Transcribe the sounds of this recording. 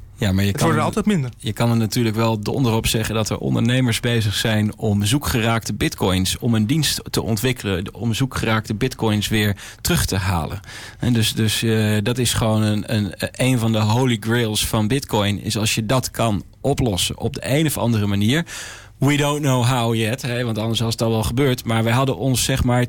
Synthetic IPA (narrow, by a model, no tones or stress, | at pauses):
jamaːɹjətkɔəɑlˠtɛtmɪndəɹjəkɑnənatyːɹləkʋɛlˠdɔ̰ndərɔpsɛχəndɑtə̰ɹʔɔ̰ndə̰ɹnejməɹszbejzəχsɛjnɔmzukχəraːk̚təbɪtkɔjnsɔməndinsttəʔɔ̰ntʋɪkələɔ̰mzukχəraːk̚təbɪtkɔjnsʋɪːɹ | trɵχtəɦa̰ːlə̰n | ɦɛdøsdɵsdɑtɪsχəʋownəənejnvɑndəɦowliɡɹɪlˠsfɑnbɪtkɔjnɪ̰sɑlˠsjədɑtkʰɑn | ɔplɔsə̰nʔɔb̚dəʔejnɔfɑ̰ndərəmaniːɹ | widowntnowɦawjɛtɦɛʋɑntɑndəɹsʋɑsətɑtʋɛlˠχəbøːɹtmaːɹʋɛjɦɑdənʔɔnsɛχmaːɹ